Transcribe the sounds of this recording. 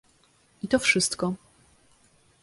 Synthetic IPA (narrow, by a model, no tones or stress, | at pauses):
it̪ɔfʂɘst̪kɔ